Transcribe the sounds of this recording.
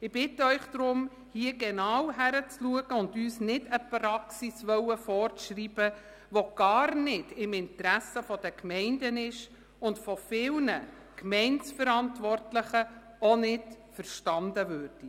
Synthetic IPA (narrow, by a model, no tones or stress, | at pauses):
ɪb̥ɪtːəœʏχd̥ɾʊm | hiəɡɛnɑwɦæɾət͡sluəɡ̥əʊndyːsnɪdəprɑksisʋœwəfɔːɾt͡sʃriːb̥ə | ʋoɡ̥ɑːrnɪdɪmɪntɾæsəfɔd̥əkmɛɪndənɪʃ | ʊntfɔfɪlnə | kmɛɪnt͡sfəɾɑntʋɔrtləχə | onɪtfəɾʃtɑndəvøːɾd̥i